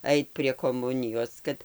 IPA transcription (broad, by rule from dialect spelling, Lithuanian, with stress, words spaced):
ˈɐɪt pʲrʲiɛ koːˈmʊnʲɪjoːs ˈkɐt